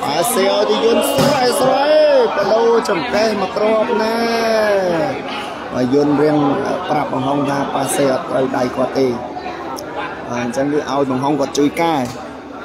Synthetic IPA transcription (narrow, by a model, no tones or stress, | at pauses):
ɓaɛseːʔaɔjt̪ɨːjuənsuəʔaslajpəɗoːt͡ɕɑmkehmɔkroəp̚naː | ɓa̰juənriəŋə̰prap̚ɓɑŋɦoŋt̪ʰaːt̪̚paːseːʔɑt̪ːrəwɗajkʰŏət̪̚ːeː | ɓaːɲt͡ɕəŋkɨːʔaɔjɓɑŋɦoŋkŏət̪̚t͡ɕuːəjkaɛ